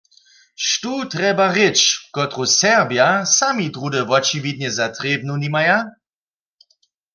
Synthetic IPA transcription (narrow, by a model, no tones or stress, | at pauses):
ʃtut̪ʁɛbaʁɪt͡ʃkɔt̪ʁosɛʁbjasamit̪ʁudɛvɔt͡ʃivid̪̚ɲɛzat̪ʁeb̚nunimaja